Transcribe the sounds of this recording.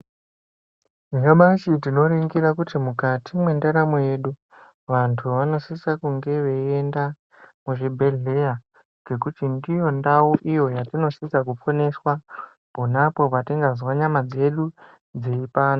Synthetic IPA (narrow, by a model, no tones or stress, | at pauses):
iŋɡaɓat͡ʃitino̞ɾiŋɡiɾakutimukatʰimwe̞ndaɾamoje̞ɗu | ʋantʰuʋano̞sisakuŋɡe̞ʋe̞e̞nda | muʐibʱe̞ɮe̞ja | ɡʱe̞kutindijo̞ndauʔijo̞jatino̞sisakupo̞ne̞swa | ponapo̞patiŋɡazwaɲamad͡ze̞ɗu | d͡zeipaːno